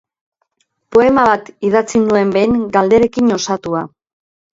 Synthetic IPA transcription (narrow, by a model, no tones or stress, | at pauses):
po̞e̞maβat̪ið̞at͡sinue̞mbe̞jŋɡald̪e̞ɾe̞kiɲo̞sat̪ua